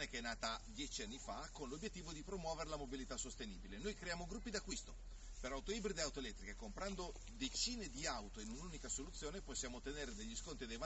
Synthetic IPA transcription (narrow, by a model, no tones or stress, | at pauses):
nekeɛnːaːt̪ad̪jɛt͡ʃianːifakonlobjet̪ːiːvod̪ipɾomwɔːveɾelamobilit̪asːost̪eniːbilenojkɾejaːmoɡɾupːid̪akːwist̪o | peɾawt̪olibɾid̪eawt̪oelɛt̪ːɾikakompɾand̪o | d̪et͡ʃiːned̪iawt̪oinununikasolut̪sːjoːneposːjaːmot̪ːeneːɾed̪eʎːiskont̪ɾid̪ejva